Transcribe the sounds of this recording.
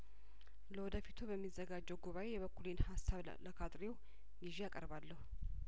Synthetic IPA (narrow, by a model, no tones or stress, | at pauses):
ləwɔd̪əfit̪ʰubəmːizːəɡad͡ʒːɛwɡuβaʔe̞jɛβəkʰːulenhasːaβ | ləkʰat̪ʼɾew | niʒijakʼəɾβalːəhu